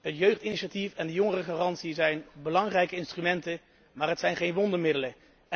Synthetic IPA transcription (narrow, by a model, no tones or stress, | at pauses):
ɦətjøɥχtiniʃatifɛndəjɔŋərəχaːrɑntsiəzɛjnbəlɑŋrɛjkəɪnstrymɛntə | maːrɦətsɛjnχejnʋɔndəɹmɪdələ